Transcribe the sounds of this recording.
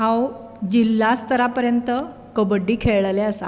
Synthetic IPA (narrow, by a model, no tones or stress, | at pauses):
ɦãw | d͡ʑilːast̪əɾapəɾjənt̪ə | kəbəɖːiːkʰeɭɭalɛəsa̰